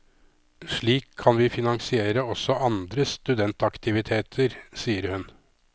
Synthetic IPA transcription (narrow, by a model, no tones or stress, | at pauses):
ʂɭiːkʰːɑnʋiːfɪnɑŋsɪeːɾəɔsːɔʔɑnd̪ɾəst̪ʉd̪ɛnt̪ɑkt̪ɪʋɪt̪ʰeːt̪ʰəɾsiːəɾhʉn